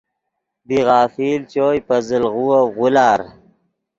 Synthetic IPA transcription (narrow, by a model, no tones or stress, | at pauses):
biɣɑːfiːlt͡ɕoːjpɐzəlʁuwaɣulaːɾ